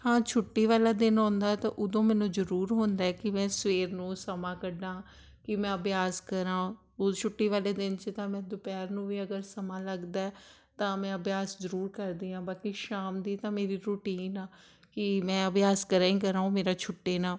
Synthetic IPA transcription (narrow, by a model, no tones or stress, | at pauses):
hãːt͡ʃʰʊʈːiːʋaːlaːd̪ɪnɔ̃ːnd̪aːɛt̪ãːʔʊd̪õːmɛ̃ːnũːzəɾuːɾɦõːnd̪aːɛːkɪmɛ̃ːsʋeːɾnũːsəmãːkəɖãː | kɪmɛ̃ːəbjaːskəɾãː | t͡ʃʰʊʈːiːʋaːleːd̪ɪnt͡ʃət̪ãːmɛ̃ːd̪ʊpɛːɾnũːʋiːəɡəɾsəmaːləɡd̪aːɛː | t̪ãːmɛ̃ːəbjaːszəɾuːɾkəɾd̪iːãːbaːkiʃaːmd̪iːt̪ãːmeːɾiːɾuʈiːnaː | kɪmɛ̃ːəbjaːskəɾãːĩːkəɾãːõːmeːɾaːt͡ʃʰʊʈːeːnaː